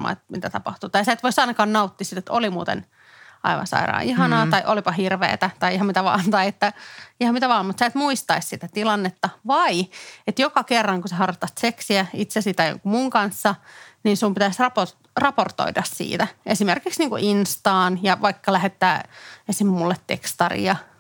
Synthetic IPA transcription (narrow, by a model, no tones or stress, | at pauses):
mɑ̰ːḛt̪̚mit̪æt̪ɑpɑht̪uːt̪ɑjsæːt̪ʋoisɑinɑkɑːnnɑut̪ːisit̪et̪olimṵːt̪ḛn | ʔɑ̰iʋɑ̰nsɑ̰iɾɑ̰ːiɦɑnɑːt̪ɑiʔolipɑhirʋḛːt̪æt̪ɑiihɑmit̪æʋɑ̰ːnt̪ɑiet̪ːæihɑmit̪æʋɑːmmut̪sæːt̪muist̪ɑissit̪æt̪ilɑnːet̪ːɑʋɑiet̪jokɑkerːɑŋkuseɦɑrt̪ːɑst̪seksiæit̪sesit̪æjo̰ŋkumuŋkɑnsːɑninsumpit̪æsrɑpo | rɑport̪o̰idɑssḭːt̪æesimerkiksniːŋkṵʔinst̪ɑːnjɑʋɑikːɑlæɦet̪ːæːesimmulːet̪tḛkst̪ɑrḭjɑ